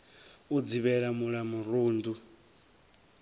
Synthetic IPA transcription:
ud͡ziβɛɺamuɺamuruːndu

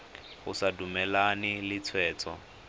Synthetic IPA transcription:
hʊsadumɛlanɪlɪt͡sʰwɛːt͡sʼɔ̰

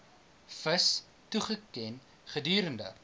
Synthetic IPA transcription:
fəs | tuχəkɛn | χədyːɾəndə̰

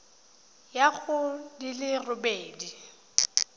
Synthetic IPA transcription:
jaɣʊdilɪrʊbeːdi

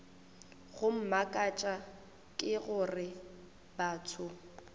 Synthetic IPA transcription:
ɣʊm̩makʼat͡ʃʼa | kʼɪɣʊrɪ | baːtʰʊ

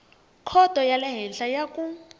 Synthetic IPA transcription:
kʰɔd̥ʱɔjalɛɦɛnɬajakʼu

